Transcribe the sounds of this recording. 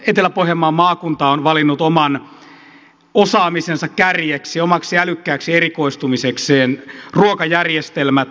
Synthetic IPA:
et̪elæpohjemːɑːmɑːkunt̪ɑonʋɑlinːut̪omɑn | osɑːmisensɑkkærjeksiomɑksiælykːæːksierikoist̪umisekseːnruokɑjærjest̪elmæt̪

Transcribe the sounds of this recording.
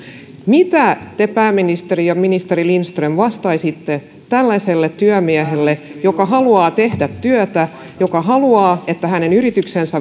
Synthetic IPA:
mit̪æt̪epæːmːinist̪erijɑminist̪erilinst̪remʋɑst̪ɑisit̪ːe | t̪ælːæselːet̪t̪ːyømiæɦelːejokɑɦɑluɑːt̪ehdæt̪ːyøt̪æ | jokɑɦɑluɑːet̪ːæhɦænenyrit̪yksensæ

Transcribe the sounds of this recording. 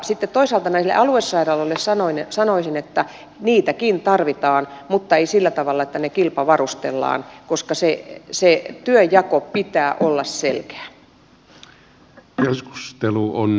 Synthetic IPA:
sit̪ːet̪t̪oisɑlt̪ɑnæislḛʔɑluesːɑirɑlːolːessɑnoinsɑnoisinet̪ːæ | niːt̪ækint̪ɑrʋit̪ɑːnmut̪ːɑeisilːæt̪ɑʋɑlːɑet̪ːænekilpɑʋɑrust̪ḛlːɑ̰ːnkoskɑseset̪yøjjɑkopit̪æːʔolːɑsselkæ̥ː | kesku̥st̪eluon

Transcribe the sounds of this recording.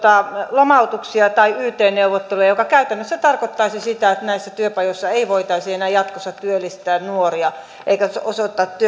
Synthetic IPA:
t̪ɑˑlomɑut̪uksiɑt̪ɑiyːt̪eːnneuʋˑot̪ːeluɑjokɑkæyt̪ænːøsːæt̪ɑrkot̪ːɑisisit̪æet̪næisːæt̪yøpɑjosːɑeiʋoit̪ɑisienæːjɑt̪kosːɑt̪t̪yølːist̪æːnnuoriɑ | ʔeikæosot̪ːˑɑt̪t̪yø

